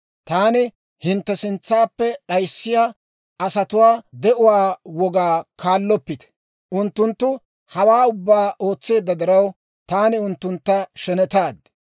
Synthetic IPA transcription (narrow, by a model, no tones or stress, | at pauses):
t̪aːnɪ | hɪnt̪ːɛsɪnt͡sːaːpːɛɗɐjsːɪjaː | ɐsɐt̪ʊwaːd̪ɛʔʊwaːwɔɡaːkaːlːɔpːɪt̪ɛ̥ | ʔʊnt̪ːʊnt̪ːʊ | hɐwaːʊbːaːo̞ːt͡sːe̞ːd̪ːɐd̪ɪɾɐw | t̪aːnɪʊnt̪ːʊnt̪ːɐʃɛnɛt̪aːd̪